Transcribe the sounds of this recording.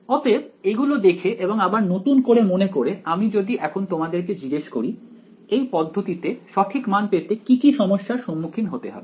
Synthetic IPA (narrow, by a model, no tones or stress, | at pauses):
ɔt̪eb̚eɡulod̪ekʰeʔeboŋabaɾnot̪unkoɾemonekoɾeamid͡ʑod̪iʔɛkʰont̪omad̪eɾk̬ed͡ʑiɡeʃkoɾi | ejpɔd̪ʱːot̪it̪eʃɔt̪ʰikmanpet̪ekikiʃɔmoʃːaɾʃɔmːukʰinɦot̪eɦɔ̰be